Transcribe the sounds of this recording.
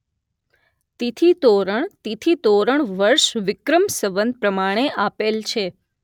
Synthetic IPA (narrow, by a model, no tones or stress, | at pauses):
t̪it̪ʰit̪oɾəɳt̪it̪ʰit̪oɾəɳʋəɾʃʋɪkɾəmsəʋənd̪̚pɾəmaɽ̃eʔapelt͡ʃʰe